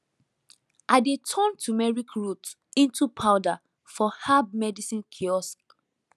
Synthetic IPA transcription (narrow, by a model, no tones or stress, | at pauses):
ʔaɪdetʰɔ̃ntʰumɛɹikɹut | ĩntupʰaʊda | fɔhab̚mɛdisĩnkʰiɔsk